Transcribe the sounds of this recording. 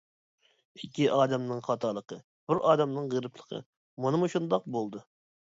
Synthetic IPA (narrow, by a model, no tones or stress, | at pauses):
ikʲːiʔɑːd̪ɛmnɨŋχɑt̪ʰɑlˠəqʰə | buɾɑːd̪ɛmnɨŋʁəɾɨpʰlˠəqʰə̰ | mɑnɨmuʃund̪ɑq̚bolˠd̪u